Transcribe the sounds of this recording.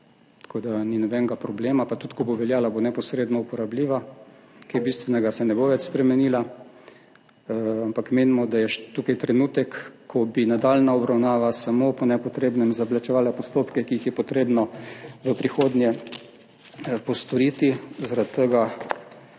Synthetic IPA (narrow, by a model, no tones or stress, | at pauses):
t̪ḁkʰoːd̪aninɔbɛŋɡapɾɔbleːmapat̪ut̪kɔboʋɛljaːlabonɛpɔsɾeːd̪nɔupɔɾabliːʋa | kejbist̪ʋɛnɛɡasɛnɛboʋɛt͡ʃspɾɛmɛniːla | ampakmeːnimɔd̪ajɛʃt̪ukajt̪ɾɛnuːt̪ɛkːɔbinad̪alnaɔbɾawnaːʋasamopɔnɛpɔt̪ɾeːbnɛmzablat͡ʃɛʋaːlapɔst̪oːpkɛkiixjɛpɔt̪ɾeːbnɔʋəpɾixoːd̪njɛ | pɔst̪ɔɾiːt̪izaɾat̪t̪ːəɡa